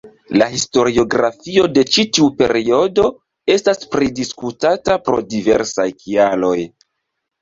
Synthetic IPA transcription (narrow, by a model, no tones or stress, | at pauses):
laɦisto̞ɾio̞ɡɾa̰fio̞de̞t͡ʃitiupe̞̰ɾio̞do̞ | e̞staspɾidiskutatapɾo̞̰dive̞̰ɾsajkʰialo̞j